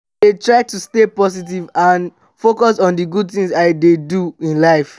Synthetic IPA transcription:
detɹaɪtustepɔs̬it̬ivãn | fokɔsɔ̃ndiɡud̚θĩŋzaɪdeduĩnlaɪf

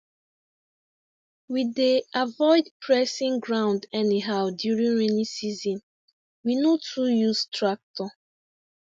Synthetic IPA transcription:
wideavɔɪdpʰɹɛsĩŋɡɹãʊ̃ndɛniɦaʊdjuɹĩnɹɛnisizɔ̃n | winotʰujuztɹak̚tɔ

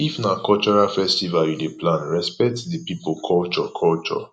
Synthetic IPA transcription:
ifnakɔlt͡ʃɔɹafɛstivaljideplãnɹɛspɛtdipipokʰɔlt͡ʃɔkʰɔlt͡ʃɔ̰

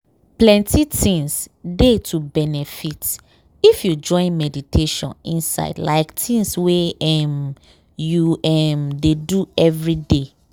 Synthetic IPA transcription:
plɛ̃ntitʰĩŋsdetʰubɛnɛfit | ifjud͡ʒɔ̃ɪ̃nmɛditʰeʃɔ̰̃nĩnsa̰ɪdla̰ɪktʰĩŋsweɛm | juɛmdeduɛvɹide

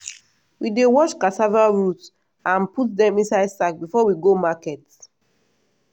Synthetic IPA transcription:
widewɔt͡ʃkasavaɹut | ãnput̚dɛ̃mĩnsaɪdsak̚bifɔwiɡomakɛt

